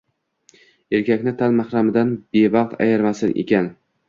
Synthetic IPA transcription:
eɾkʲʰakʲnɪt̪ʰanmahɾamɪd̪anbevɑqt̪a̰jaɾmasɪnʔḛkʲan

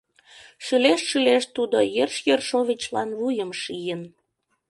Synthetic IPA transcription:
ʃyleʃʃyleʃt̪ud̪ojerʃjerʃoβʲit͡ɕlɑnβujəmʃijən

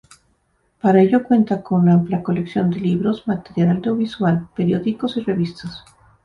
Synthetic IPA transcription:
paɾae̞ʝo̞kwe̞nt̪akonnampljako̞leksjo̞nd̪e̞liβɾo̞zmat̪e̞ɾjalawd̪joβiswalpe̞ɾjo̞ðiko̞sire̞βist̪as

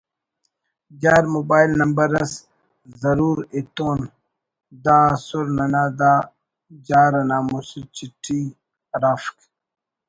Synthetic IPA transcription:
d͡ʑaːɾmobaːilnɐmbɐɾɐs | zɐɾuːɾet̪oːn | d̪aːsuɾnɐnaːd̪aː | d͡ʑaːɾɐnaːmusiɾt͡ɕiʈi | ɾaːfk

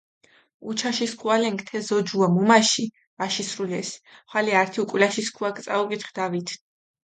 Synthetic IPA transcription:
ut͡ʃʰaʃiskʰualɛŋkʰt̪ʰɛzɔd͡ʒuamɔmaʃi | vaʃisɾulɛsχwaliaɾt̪ʰiukʼwilaʃiskʰuakʰʼt̪sʼauɡʼit̪χd̪̥avit̪ʰ

